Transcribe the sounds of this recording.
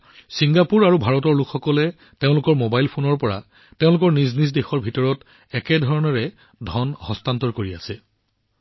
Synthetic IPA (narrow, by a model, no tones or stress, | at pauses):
siŋɡapuɹaɹubʱaɹɔtɔɹlukʰxɔkɔlɛ | teʊ̃lʊkɔɹmobajlpʰonɔɹpɔɹa̰ | teʊ̃lʊkɔɹniznis̬dexɔɹbʱitɔɹɔt | ɛkɛdʱɔɹɔnɔɹɛ | dʱɔnhɔstantɔɹkoɹia̰sɛ